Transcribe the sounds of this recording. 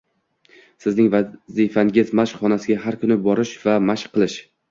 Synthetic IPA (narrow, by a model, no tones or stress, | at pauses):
sɪznɪŋvazifaŋɡʲɪzmaʃχɒnasɪɡʲaɦaɾkʰʊnɪbɒɾɪʃvamaʃqʰːɨlˠɪʃ